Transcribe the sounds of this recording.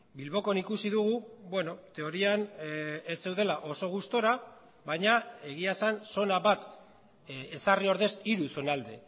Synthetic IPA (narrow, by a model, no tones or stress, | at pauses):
bilβo̞ko̞nikusiðuɣubwe̞no̞t̪e̞o̞ɾianese̞wðe̞laʔo̞so̞ɣ̞ust̪o̞ɾa | βajɲae̞ɣ̞iasanso̞naβat̪ | esario̞ɾðe̞siɾuso̞nald̪e̞